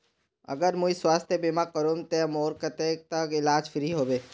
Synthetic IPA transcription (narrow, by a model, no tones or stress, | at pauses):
ɐ̰ɡəɾmũiswaːst̪ʰjebimakəɾoːmt̪emoːɾkət̪eːk̚t̪əkɪlaːd͡ʒfʰɪɾiɦoːbeː